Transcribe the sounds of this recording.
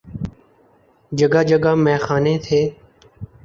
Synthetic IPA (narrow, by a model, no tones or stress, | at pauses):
d͡ʒəɡaːd͡ʒəɡaːmɛ̃ːxaːnẽːt̪ʰeː